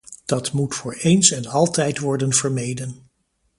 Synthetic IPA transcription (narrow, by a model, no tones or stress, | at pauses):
d̥ɑtmutfʊːɹejnsɛnɑlˠtɛjtʋɔɹdənvəɹmejdən